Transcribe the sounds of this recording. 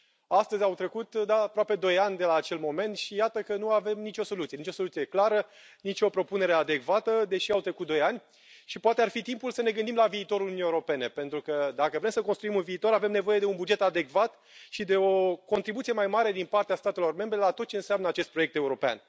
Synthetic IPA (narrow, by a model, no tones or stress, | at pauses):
ast̪əzʲawt̪ɾe̞kut̪d̪aːpɾoape̞d̪o̞janʲd̪e̞laːt͡ʃe̞lmo̞me̞nt̪ʃijat̪əkənuave̞mnit͡ʃʲo̞so̞lut̪sie̞nit͡ʃʲo̞so̞lut̪sije̞klaɾə | nit͡ʃo̞pɾo̞pune̞ɾe̞ad̪e̞kvat̪əd̪e̞ʃiawt̪ɾe̞kut̪d̪ojanʲ | ʃipoat̪earfit̪impulsəne̞ɡɨnd̪imlaviːt̪o̞ɾulunieuɾope̞ne̞pe̞nt̪ɾukəd̪akəvɾe̞msəkonst̪ɾuimunviːt̪o̞ɾave̞mne̞vo̞je̞d̪e̞unbud͡ʒe̞t̪ad̪e̞kvat̪ | ʃid̪e̞o̞ko̞nt̪ɾibut̪sije̞majmaɾe̞d̪inpart̪east̪at̪e̞lo̞rme̞mbɾe̞lat̪ot̪̚t͡ʃeɨnsamnəat͡ʃest̪̚pɾo̞jek̚t̪e̞uɾo̞pea̰n